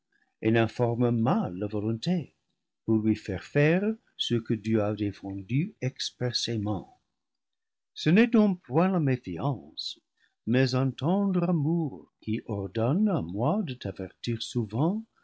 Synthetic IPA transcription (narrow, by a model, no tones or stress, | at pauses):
enɛ̃fɔʁməmalːavɔlɔ̃t̪e | puʁlɥifɛʁfɛʁ | səkədyadefɑ̃dyɛkspʁɛsemɑ̰̃ | sənɛdɔ̃pwɛ̃lamefjɑ̃s | mɛzə̃tɑ̃d̪ʁamuʁkiʔɔʁd̪ɔnamwadət̪avɛʁt̪iʁsuvɑ̃